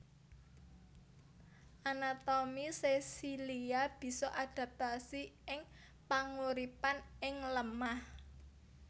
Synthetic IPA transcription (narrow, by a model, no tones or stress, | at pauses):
ʔanat̪omisesiliab̥i̤sɔʔad̥ä̤p̚t̪asiɪŋ | paŋuɾipanɪŋləmah